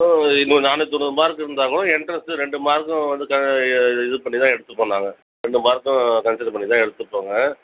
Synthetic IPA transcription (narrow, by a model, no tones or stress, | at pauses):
ɪnːɯnaːnɯt̪ːɔnːɯðɯmaːɾkɯɪɾɯnd̪aːŋɡɐɭʊ̃ɪɳɖɾɐsɯɾɛɳɖɯmaːɾkːʊ̃ʋɐnd̪ɯkɐɪðɯpɐɳːit̪ãːɛɽɯt̪ːɯpːoːɳːãːŋɡɐ | ɾɛɳɖɯmaːɾkːʊ̃kɐnsɪʈ̚pɐɳːit̪ãːɛɽɯt̪ːɯpːoːŋɡɐ